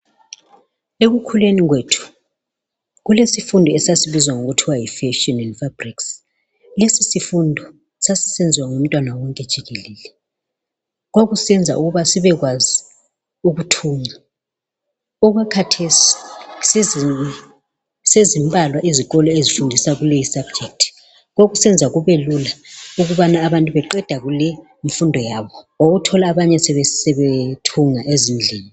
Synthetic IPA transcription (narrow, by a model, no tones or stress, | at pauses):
eɣukʰuleniɣweːtʰu̥ | ɣulesifundʱɔɛsasiβizwaŋoɣutʰiwajifɛʃɔnɛndfabriks | lesisifundʱɔ | sasi̥send͡zʱiwaŋom̩tʼwanawɔŋkʼɛd̥ʒ̥ʱiɣelɛːlɛ | ɣwaɣusɛnd͡zʱa̰ʔuɣuβasiβɛɣwazi | uɣutʰuːŋa | ɔɣwakʰatʰesi̥s | sezimbʱʼalwaʔiziɣɔlɔezifundʱisaɣulejisab̥̚d͡ʒʱek̚tʰi̥ | ɣwoɣusɛnd͡zʱaɣuβelulauɣuβanaːβantʼuβɛǃɛd̥ʱaɣulɛ | iɱ̩fundʱɔjaβɔ | oɣutʰɔlaːβaɲɛsɛβɛsɛβetʰuŋaʔezin̩d͡ɮʱeːni